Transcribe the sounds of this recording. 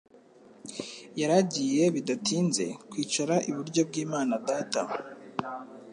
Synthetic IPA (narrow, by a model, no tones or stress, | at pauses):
jaɾaɟije̞βidatʰiːnze̞̰kwiːt͡ʃaɾaʔiβuɾɟo̞b̚ɡiːmaːnadaːta̰